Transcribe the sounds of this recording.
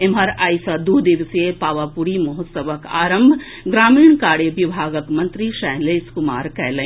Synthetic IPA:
emɦɐɾaːjsəd̪ud̪iʋsepaːʋapuɾimoɦʊsəʋəka̰ːɾəmbʱ | ɡɾaːmiːɳ̃kaːɽebibʱaːɡəkmɐnt̪ɾiʃɛɦleːskumaːɾkɛːlə̃

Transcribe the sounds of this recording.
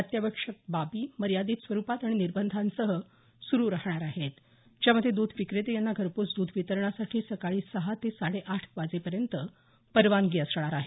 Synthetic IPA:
ət̪jaʋəkʂək̚babiːməɾjad̪iːt̪sʋəɾupat̪aɽ̃iniɾbənd̪ʱansəɦə | suɾuːɾahɳ̃aɾaɦet̪ | d͡ʑjaməd̪ʱːjed̪ud̪ʱʋikɾet̪ejanːaɡʱəɾput͡sd̪uːd̪ʱʋit̪əɾɳ̃asaʈʰiːsəkaɭiːsəɦat̪esaɽeʔaʈʰʋad͡zepəɾjənt̪ə | pəɾʋanɡiəsɾəɭ̃aɾaɦe

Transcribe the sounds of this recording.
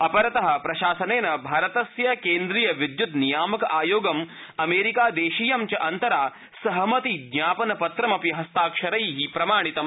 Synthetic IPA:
ɐpɐɾɐt̪ɐɦɐ̆pɾɐʃaːsɐneːnɐbʱaːɾɐt̪ɐsjɐkeːnd̪ɾijɐʋid̪jut̪nijaːmɐkɐʔaːjoːɡɐm | ɐmeːɾikaːd̪eːʃiːjɐmt͡ʃɐʔɐnt̪ɐɾaː | sɐɦɐmɐt̪id̪njaːpɐnɐpɐt̪ɾɐmɐpiɦɐst̪aːkʃɐɾɐjɦipɾɐmaːɽ̃it̪ɐm

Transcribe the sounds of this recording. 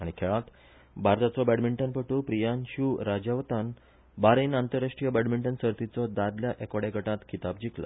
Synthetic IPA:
aɽ̃ikʰeɭat̪ | bʱaɾt̪at͡sɔbɛɽmiɳʈənpəʈupɾijanɕuɾad͡ʑaʋt̪an | baɾinant̪əɾaʂʈɾijəbæɽmiɳʈənsəɾt̪it͡sɔd̪ad̪ljaʔekʋaɽjaɡəʈãt̪kʰit̪ab̚d͡ʑiklə̰

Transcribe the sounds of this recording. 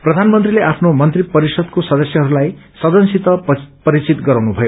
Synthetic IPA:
prʌd̪ʱanmʌnt̪rileʔapʰnomʌnt̪ripʌɾisʌd̪kosʌd̪ʌsjʌɦʌɾulajsʌd̪ʌnsit̪ʌpʌɾit͡sit̪ɡʌɾãwnubʱʌjo

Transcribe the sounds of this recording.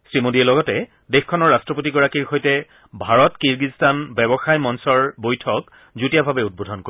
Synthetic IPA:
sɹimodiɛlɔɡɔtɛ | dexkʰɔnɔɹːastɹɔpotiɡɔɹakiɹxojtɛ | bʱaɹɔtkiɹɡistanbɛbɔxajmɔnsɔɹbojtʰɔk | zutijabʱabɛud̚bodʱɔnko

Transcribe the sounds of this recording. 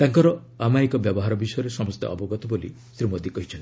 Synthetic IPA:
t̪aŋkɔɾɔ | amaekɔbjɔbɔɦaɾɔbisɔjɔɾesɔmɔst̪ḛʔɔ̰bɔɡɔt̪ɔbolḭ | sɾimod̪ikɔɦit͡ʃʰɔnt̪i

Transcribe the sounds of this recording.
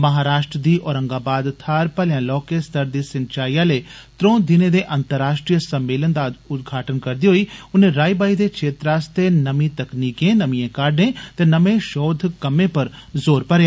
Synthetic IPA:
mɐɦaːɾaːʃʈɾəd̪iːʔɔːɾə̃ŋɡaːbaːd̪t̪ʰaːɾpəljãːlɔːkest̪əɾd̪iːsɪnt͡ʃaːijãːleːt̪ɾõːd̪ɪneːd̪eːʔənt̪əɾːaːʃʈɾijəsəmːeːlənd̪aːʊt̪̚ɡʱaːʈənkəɾd̪iːɦoiːʊnẽːɾaːibaːid̪eːkʃʰeːt̪ɾaːst̪enəmiːt̪ɐkniːkẽːnəmiẽːkaːɾɖẽːt̪eːnəmẽːʃɔːd̪ʱkəmẽːpəɾzoːɾpəɾjaː

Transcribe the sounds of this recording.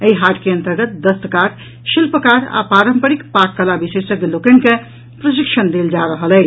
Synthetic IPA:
əiɦaʈkeə̃nt̪əɾɡət̪̚d̪əst̪əkaɾ | ʃilpəkaɾa̰paɾəmpəɾikpakːəlabisesəkelokənke | pɾəsikʃənd̪eld͡ʒaɾəɦəlɛ

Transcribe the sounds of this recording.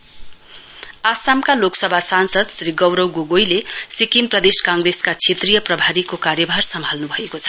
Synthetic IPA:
asamkaloksʌbʱasansʌd̪sriɡʌwɾʌwɡoɡojlesikimprʌd̪eskaŋɡreskat͡sʰet̪rijʌprʌbʱaɾikokaɾjʌbʱarsʌmbʱalnubʱʌekot͡sʰʌ̥

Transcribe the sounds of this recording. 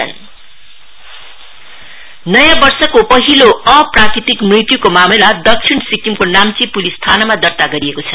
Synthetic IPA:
n | nʌjãbʌrsʌkopʌɦiloʌprakɾit̪ikmrit̪jukomamelad̪ʌk̚t͡sʰinsikimkonamt͡sipulist̪ʰanʌmad̪ʌrt̪aɡʌɾiekot͡sʰʌ

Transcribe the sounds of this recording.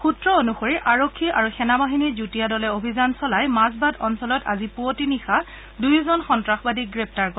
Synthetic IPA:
xutɹɔonuxoɹiʔaɹokʰːiʔaɹuxɛnabaɦinizutijadɔlɛobʱizansɔlajmazbadɔnsɔlɔta̰zipuotinixa | dujzɔnxɔntɹaxbadiɡɹɛp̚taɹkɔ

